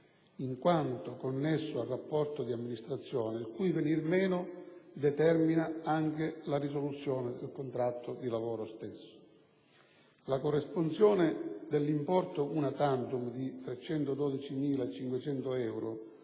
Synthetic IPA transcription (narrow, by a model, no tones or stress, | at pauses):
iŋkwant̪okonːesːʊarːapːɔrt̪od̪iamːinist̪ɾat̪sːjɔːnɪilkujvenirmɛːnʊd̪ɛt̪ɛrminaaŋk̟elarisolut̪sːjɔːnɪd̪ɪlkont̪ɾat̪ʰːod̪ilavɔːɾost̪esːʊ̥ | lakorːesponsjɔːnɪd̪elːimpɔrt̪ounat̪ant̪umd̪it̪ɾɛt͡ʃːɛnt̪od̪ɔːd̪it͡ʃimiːlat͡ʃiŋkwet͡ʃɛnt̪oɛwɾo